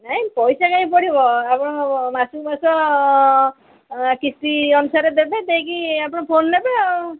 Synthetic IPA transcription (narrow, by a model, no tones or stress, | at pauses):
naĩpɔjsakaĩpɔɽibɔapɽɔ̃masumasɔ | kist̪iʌnusaɾed̪ebẽt̪ẽkiapɽ̃ɔpʰonːebe